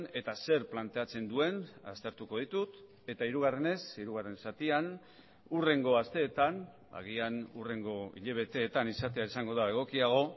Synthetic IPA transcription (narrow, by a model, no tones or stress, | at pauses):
ne̞t̪ase̞ɾplant̪e̞at͡se̞nd̪ue̞na̰st̪e̞ɾt̪uko̞ðit̪ut̪ | e̞t̪aiɾuɣ̞are̞ne̞siɾuɣ̞are̞nsat̪ian | ure̞ŋɡo̞ast̪e̞ːt̪an | ba̰ɣianure̞ŋɡo̞ḭʎe̞β̞e̞t̪e̞ːt̪anisat̪e̞aisaŋɡo̞ðae̞ɣ̞o̞kiaɣ̞o̞